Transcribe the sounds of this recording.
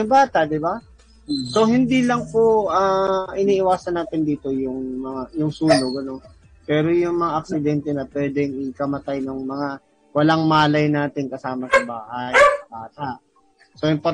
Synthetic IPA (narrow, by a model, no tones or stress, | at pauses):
ʊbaːt̪ɐʔd̪ɪba | so̞ɦɪnd̪iːlɐŋpoʔaʔɪniːʔɪwaːsɐnːaːt̪ɪnd̪iːt̪o̞jʊŋmɐŋajʊŋsuːnoɡɐno̞n | pɛːɾo̞jʊŋmɐŋaʔɐk̚sɪd̪ɛnt̪ɛnɐpwɛːd̪ɛŋɪkɐmɐt̪ajnɐŋmɐŋa | wɐlaŋmaːlɐjnaːt̪ɪŋkɐsaːmɐsɐba̰ːhajbaːt̪ɐʔ | sojʊŋpɐ